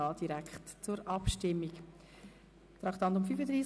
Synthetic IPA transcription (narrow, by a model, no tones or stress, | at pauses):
ɑːld̥iɾækχtt͡sʊɾʔɑpʃtɪmːik | t̪ɾɑktɑnt̪ʊmfyfəd̪ɾiːs